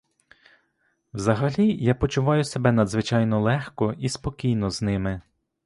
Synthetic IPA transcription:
wzɐɦɐlʲijapɔt͡ʃʊʋɑjʊsebɛnɐd̪zʋɪt͡ʃɑjnɔlˠɛxkɔispɔkʲijnɔznɪmɪ

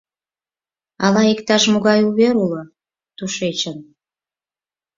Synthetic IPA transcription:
ɑlɑekt̪ɑʃmuɣɑjuβeɾulo | t̪uʃet͡ɕən

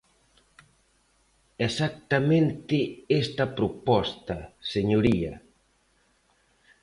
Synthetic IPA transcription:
esak̚t̪ɐmẽnt̪ɪest̪ɐpɾopɔst̪ɐseɲoɾiɐ̰

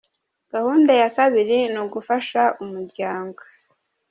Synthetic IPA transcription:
ɡ̥ahuːndajakaβiɾinuɡufaʃaʔumuɾɟaːŋɡo

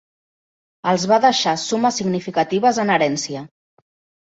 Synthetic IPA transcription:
əlˠzβaðəʃasuməsːiɡnifikət̪iβ̞əzənəɾɛnsiə

